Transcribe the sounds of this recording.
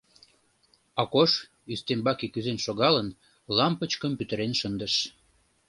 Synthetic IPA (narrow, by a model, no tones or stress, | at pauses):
ɑkoʃ | yst̪embɑkikyzenʃoɣɑlən | lɑmpət͡ɕkəmpyt̪əɾenʃənd̪əʃ